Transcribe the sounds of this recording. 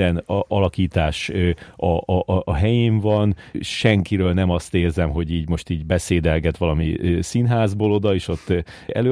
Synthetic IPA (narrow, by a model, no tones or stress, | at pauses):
ɛnʔɒlɒkiːt̪aːʃɒʔːɦɛjeːɱvɒnʃɛŋkiɾøːlnɛmɒst̪eːrzɛmɦo̞ɟiːɟmo̞ʃt̪iːɟbɛseːd̪ɛlɡɛt̪ʋɒlɒmisinɦaːzbolo̞d̪ɒeːʃo̞t̪ːɛ̰løː